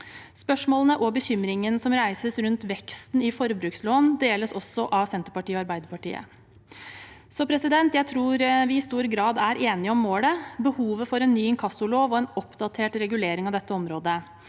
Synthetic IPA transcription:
spœʂmoːlənəʔɔbəçʏmɾɪŋənsɔmɾæɪsəsɾʉnt̪ʋɛkst̪nɪfɔɾbɾʉːksloːnd̪eːləsɔsːɔʔɑʋsɛnt̪əɾpɑʈiːɔɑɾbæɪd̪əpɑʈḭːə̰ | sɔpʰɾɛsɪd̪ɛnt̪jæɪt̪ʰɾuːɾʋɪɪst̪uːɾɡɾɑːd̪æɾʔeːnɪəɔmːoːləbəhuːʋəfɔɾɛnːyːɪŋkʰɑsʊloːʋɔɛnɔpd̪ɑt̪ʰeːʈɾɛɡʉleːɾɪŋɑʋd̪ɛt̪ːəɔmɾoːd̪ə

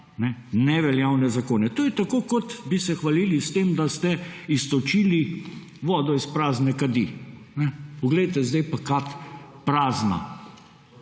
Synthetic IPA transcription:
nɛnɛʋɛljawnɛzakoːnɛt̪oːjɛt̪akoːkɔt̪bisɛxʋaliːlist̪emd̪ast̪ɛist̪ɔt͡ʃiːli | ʋɔːd̪ɔispɾaːznɛkad̪inɛpɔɡlɛjt̪ɛzd̪ɛjpakat̪pɾaːzna̰

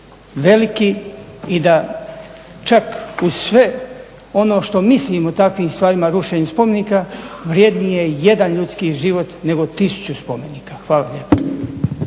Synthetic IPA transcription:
ʋe̞likiid̪a | t͡ʃakuzsʋe̞ | o̞no̞ːʃt̪o̞misliːmot̪akʋiːmst̪ʋaːɾimaɾuʃeːɲuspo̞meniːkaʋɾje̞d̪nije̞je̞d̪anʎut̪skiʒiʋo̞t̪ne̞ɡo̞t̪isu̥t͡ɕuspo̞me̞niːkaxʋaːlaʎe̞ːpo̥

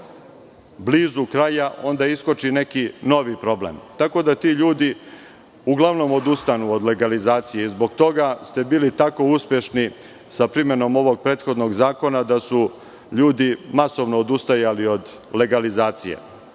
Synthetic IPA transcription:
bliːzukɾajaʔo̞nd̪aisko̞t͡ʃine̞kino̞ʋipɾo̞blḛmt̪ako̞d̪at̪iːʎuːd̪i | uɡlˠaʋno̞mod̪ust̪anuod̪le̞ɡalizaːt̪sijeizbo̞ɡt̪o̞ɡast̪e̞biːlit̪ako̞uspʲje̞ʃni | sapɾime̞no̞mo̞ʋo̞ɡ̚pɾe̞ːt̪xo̞d̪no̞ɡzaːko̞nad̪asu | ʎuːd̪imaso̞ʋno̞ːd̪ust̪ajalio̞d̪ | le̞ɡalizaːt̪sijḛ

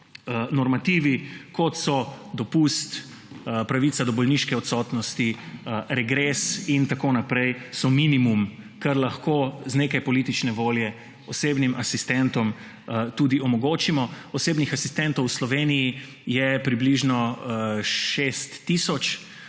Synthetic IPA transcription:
nɔɾmat̪iːʋikɔt̪sɔd̪ɔpust̪ | pɾaʋit̪sad̪ɔbɔlniʃkɛɔt̪sɔt̪nɔst̪iɾɛɡɾesint̪akoːnapɾɛjsɔminimum | kɐɾlaxkoːzneːkajpɔlit̪it͡ʃnɛʋoːljɛ | ɔseːbnimʔasist̪ɛnt̪ɔm | t̪uːd̪iɔmɔɡoːt͡ʃimɔ | ɔsebnixasist̪ɛnt̪ɔwslɔʋeːniji | jɛpɾibliʒnɔ | ʃest̪ːisɔt͡ʃ

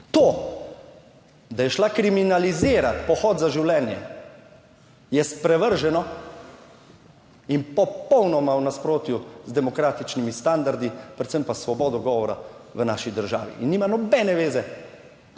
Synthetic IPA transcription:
t̪oː | d̪ajɛʃlakɾiminalizɪːɾat̪pɔxɔːt̪zaʒiwlɛːnjɛ̰ | jɛspɾɛʋəɾʒɛnɔ | impɔpɔwnɔmawnaspɾoːt̪juzd̪ɛmɔkɾaːt̪it͡ʃnimist̪and̪aɾd̪ipɾɛt̪səmpasʋɔbɔːd̪ɔɡɔʋɔɾa̰ | ʋənaʃid̪əɾʒaːʋḭʔinːiːmanɔbɛːnɛʋeːzɛ

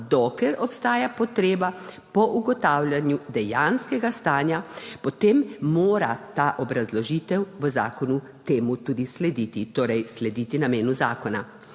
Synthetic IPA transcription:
d̪ɔklɛɾɔpst̪aːjapɔt̪ɾeːba | pɔʔuɡɔt̪aːwlʲjanjud̪ɛjanskɛɡast̪aːnjapɔt̪emmoːɾa̰t̪aːʔɔbɾazlɔʒiːt̪ɛwʋəza̰ːkɔnu | t̪eːmut̪ud̪islɛd̪it̪it̪oːɾɛjslɛd̪it̪inameːnuzaːkɔna

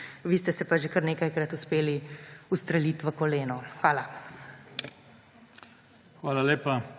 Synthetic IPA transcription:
ʋiːst̪ɛsɛpaʒekɐɾneːkajkɾɐt̪uspeːliust̪ɾɛlit̪ʋəkɔleːnɔxʋaːla | xʋaːlaleːpa

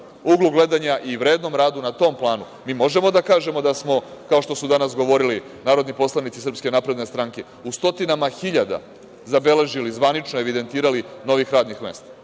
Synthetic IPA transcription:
uɡluɡle̞d̪aɲaʔiʋɾeːd̪no̞mɾaːd̪unat̪o̞ːmplˠaːnu | miːmo̞ʒe̞mo̞d̪akaːʒe̞mo̞d̪asmo̞kao̞ʃt̪o̞sud̪anasɡo̞ʋo̞ɾili | naːɾo̞d̪nipo̞slˠanit̪sisr̩pske̞napɾe̞d̪ne̞st̪ɾaŋke̞ | ust̪o̞t̪inamaxiʎad̪a̰ | zabe̞le̞ʒilizʋanit͡ʃnoe̞ʋid̪e̞nt̪iːɾalino̞ʋixɾaːd̪nixme̞ːst̪ḁ

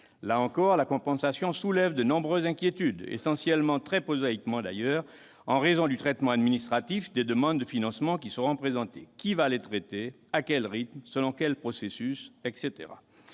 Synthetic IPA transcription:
laɑ̃kɔʁlakɔ̃pɑ̃sasjɔ̃sulɛvd̪ənɔ̃bʁøzɛ̃kʲjet̪yd̪ḛsɑ̃sjɛlmɑ̃t̪χɛpozaikmɑ̃d̪a̰jœːʁ | ɑ̰̃ʁezɔ̃d̪yt̪χɛt̪mɑ̃ad̪minist̪χat̪ifd̪ed̪əmɑ̃d̪ːəfinɑ̃smɑ̃kʲisəʁɔ̃pχezɑ̃t̪ekʲivalet̪χet̪e | akʲɛlʁit̪msəlɔ̃kɛlpχɔsesysɛkset̪ḛʁa̰

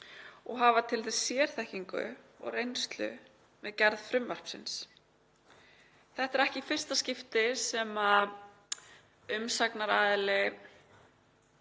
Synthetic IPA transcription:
ɔɣɦavat̪ʰɪlθɛssjɛːɾ̥θɛhciŋkʏ̰ | ɔ̰ɣrejnst̪lʏ̰ | mɛðcɛɾðfɾʏmvar̥psɪ̰ns | θɛht̪aɾɛhcɪfɪr̥st̪ascɪft̪ɪsɛma | ʏmsaknaɾaːðɪlɪ

